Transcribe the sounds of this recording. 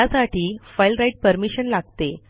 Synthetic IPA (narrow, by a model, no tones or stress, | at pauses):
asaʈiːfajlɾajiʈ̚pəɾmiɕənlaɡ̚t̪e